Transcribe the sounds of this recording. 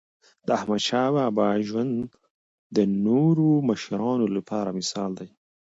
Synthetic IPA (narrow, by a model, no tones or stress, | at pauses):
d̪əahmad̪ʃɑːwabɑʒwand̪ | d̪ənoɾoməʃaɾɑːnolapʰɑɾamɪsɑːld̪aj